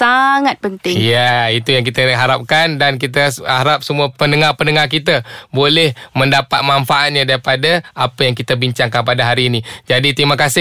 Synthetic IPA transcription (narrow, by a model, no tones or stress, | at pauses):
saŋat̪̚pənt̪ɪŋjait̪ujaŋk̬it̪əɦaɾap̚kandank̬it̪̬əhaɾap̚səmuapənəŋapənəŋarkit̪̬abolɛhmə̃ndapat̪̚maɱfaʔat̪̚ɲadaɾipadaapəjaŋkit̪əbiɲt͡ʃaŋkanpadaɦaɾiːnid͡ʒadit̪ɾimakasɪ